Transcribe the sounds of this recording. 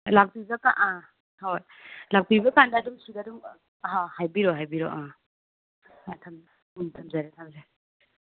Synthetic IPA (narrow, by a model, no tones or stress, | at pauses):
lak̚pibaka̰ʔa | hɔ | lak̚pibɐkandaːduŋsudaduŋ | ɦahajbiɾɔɦajbiɾɔ̰ʔa | tʰam | tʰamzaɾetʰamzaɾ